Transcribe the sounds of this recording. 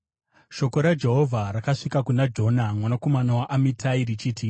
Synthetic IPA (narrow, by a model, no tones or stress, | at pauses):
ʃo̞ko̞ɾad͡ʒe̞ɦo̞vʱaɾakaʂikakunad͡ʒo̞namwanako̞manawaʔamitʰairit͡ʃiːti